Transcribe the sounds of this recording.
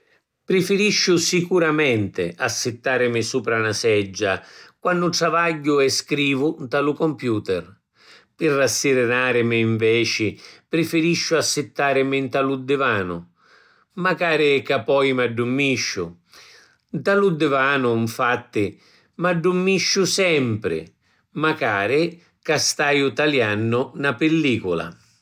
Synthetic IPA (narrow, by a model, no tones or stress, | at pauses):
pɾɪfɪɾiʃːʊsikuɾamɛnt̪ɪ̰ʔasːɪt̪ːaːɾɪmɪsuːpɾanasɛd͡ʒːakwanːʊʈɾavaɟːʊɛskɾiːvʊnt̪alukɔmpjuːt̪ɛr | pɪrːasːiɾɪnaːɾɪmɪːɱvɛːt͡ʃɪpɾɪfɪɾiʃːʊasːɪt̪ːaːɾɪmɪnt̪alud̪ːɪvaːnʊ̰ | makaːɾɪkapːɔjmaɖːumːiʃːʊ̰ | t̪alud̪ːɪvaːnʊiɱfat̪ːɪ | maɖːumːiʃːʊsɛmpɾɪ̰ | makaːɾɪ | kast̪aːjʊt̪aljanːʊnapɪlːiːkʊla̰